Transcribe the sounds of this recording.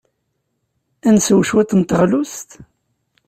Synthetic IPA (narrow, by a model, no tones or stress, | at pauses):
ænsəwʃwæt̪ːnt̪əʁlust̪